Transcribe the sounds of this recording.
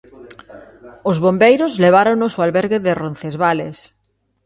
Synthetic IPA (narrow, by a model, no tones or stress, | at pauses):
ʊzβombejɾʊzleβ̞aɾoŋnosoalβɛɾɣɪðɪron̟θezβalḛs